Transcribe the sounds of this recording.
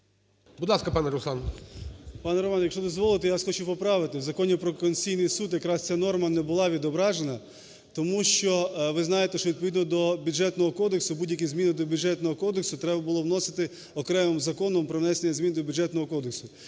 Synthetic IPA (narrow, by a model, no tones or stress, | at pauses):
bud̪lˠɑskɐpɑnɛɾʊslˠɑn | pɑnɛɾɔmɑnjɐkʃt͡ʃɔd̪ɔzʋɔlˠɪt̪ɪjasxɔt͡ʃupɔpɾɑʋɪt̪ɪwzɐkɔnʲipɾɔkɔnʲt͡sʲijnɪjsud̪jɐkɾɑst͡sʲanɔrmɐnɛbʊlˠɑʋʲid̪ɔbɾɑʒenɐ | t̪ɔmuʃt͡ʃɔʋɪznɑjet̪ɛʃt͡ʃɔʋʲid̪̚pɔʋid̪nɔd̪ɔbʲud͡ʒɛt̪nɔɦɔkɔd̪eksʊbudʲjɐkʲizʲmʲinɪd̪ɔbʲʊd͡ʒɛt̪nɔɦɔkɔd̪eksʊt̪ɾɛbɐbʊlˠɔwnɔsɪ̥t̪ɪ | ɔkɾɛmɪmzɐkɔnɔmpɾɔwnɛsenʲːɐzʲmʲind̪ɔbʲʊd͡ʒɛt̪nɔɦɔkɔd̪eksʊ